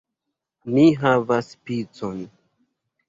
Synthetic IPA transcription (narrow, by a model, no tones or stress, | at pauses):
miɦavaspit͡son